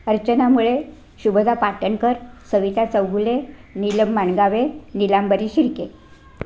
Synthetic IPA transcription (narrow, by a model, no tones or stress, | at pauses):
əɾt͡ɕənamuɭe | ɕubəd͡z̪apaʈənkəɾsəʋit̪at͡səwɡuleniləmːaɳɡaʋenilambəɾiɕiɾke